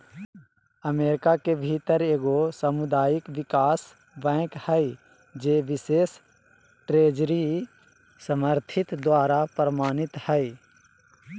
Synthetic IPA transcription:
əmeːɾɪkakebʱit̪əɾeːɡosəmʊd̪aːjɪkʋɪkaːs | bɛ̃ːkhɛi | d͡ʒeːʋɪseːs | ʈɾeːd͡ʒɾi | səməɾt̪ʰɪt̪d̪waːɾapɾəmaːnɪt̪hɛi

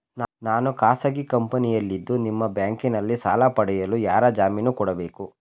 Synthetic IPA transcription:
nnaːnukaːsɐɡikɐmpɐnijɐlːid̪ːunimːɐbjaːŋkinɐlːisaːlɐpɐɽɛjɐlujaːɾɐd͡ʒaːminukɔɽɐbeːku

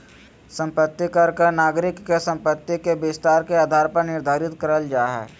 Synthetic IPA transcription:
sə̃mpət̪ːikɐɾkeɾnaːɡɾɪkːesə̃mpət̪ːikebɪst̪aːɾkeaːd̪ʱaːɾpəɾnɪɾd̪ʱaːɾɪt̪kəɾəld͡ʒaːɦɛ̰ː

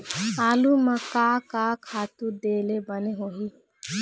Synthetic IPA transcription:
aːlumɐkaːkakʰaːt̪ud̪eːlebɐneɦoɦi

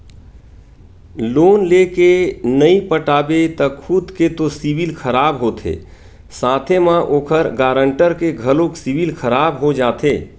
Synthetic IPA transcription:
loːnlekenəĩpəʈaːbet̪əkʰud̪ket̪osiʋilkʰəɾaːbɦoːt̪ʰḛː | saːt̪ʰemãʔoːkʰəɾɡaːɾə̃ɳʈəɾkeɡʱəlõksiʋilkʰəɾaːbɦod͡ʒaːt̪ʰeː

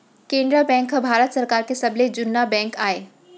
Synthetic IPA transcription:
kẽːnɖ̪ɾabɛ̃ːŋkɦəbʱaːɾət̪sɐɾkaːɾkesɐbled͡ʑʊnːabɛ̃ːŋkaːeː

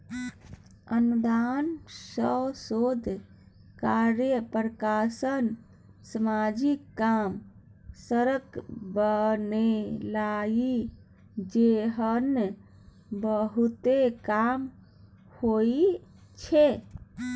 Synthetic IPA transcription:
ənud̪ansəsod̪ʱ | kaɾjəpɾəkasən | səmad͡ʒikːam | səɾəkbənelaɡi | d͡ʒeɦən | bəɦut̪ekam | hoi | t͡ʃʰe

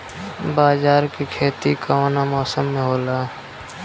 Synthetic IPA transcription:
baːzaːɾkikʰeːt̪ikʰaoːnamɔːsəmːẽɦoːlaː

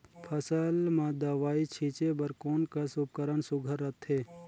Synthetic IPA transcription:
pʰəsəlmãd̪ɐʋaːit͡ʃʰiːt͡ʃebɐɾkoːnkasup̚kəɾənsʊɡʱəɾːɐt̪ʰɦeː

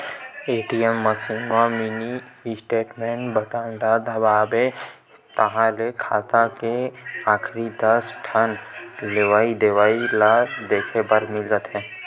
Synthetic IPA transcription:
eːʈiɛmːəsinmaminisʈeːʈmẽɳʈbəʈand̪aːd̪ʱɐbaːbe | t̪ɐɦãlekʰaːt̪akeaːkʰɾid̪ɐsʈʰanleʋaːid̪eʋaːilad̪eːkʰebəɾmɪld͡ʒaːt̪ɦɛ̃ː

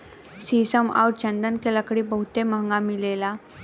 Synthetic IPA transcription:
sisəma̰wʈt͡ɕənd̪ənkelakəɽiːbəɦut̪emãŋɡãmilela

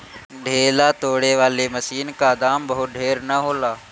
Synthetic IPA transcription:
ɖʱeːlat̪oːɽeʋaːlemɐsiːnkad̪aːmbɐɦʊt̪̚ɖʱeːɾnɐɦoːlaː

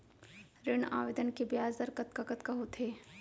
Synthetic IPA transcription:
ɾɪɳa̰ːʋed̪ənkebjaːzd̪əɾkɐt̪̚kakət̪kɐɦot̪ʰeː

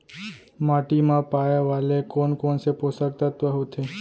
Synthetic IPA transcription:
maʈimãpajaʋalekɔnkɔnsepɔsaɾt̪at̪ʋaɦot̪ʰe

